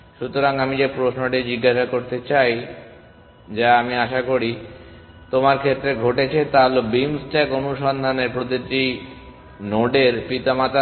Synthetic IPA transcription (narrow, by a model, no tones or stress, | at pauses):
ʃut̪oɾaŋamid͡ʑepɾosnoʈid͡ʑiɡːaʃakoɾt̪et͡ɕaj | d͡ʑaamiaʃakoɾi | t̪omaɾkʰet̪ːɾeɡʱoʈet͡ɕʰet̪aɦolobimsʈɛkonuʃɔnd̪ʱaneɾpɾot̪iʈi | noɖeɾpit̪amat̪a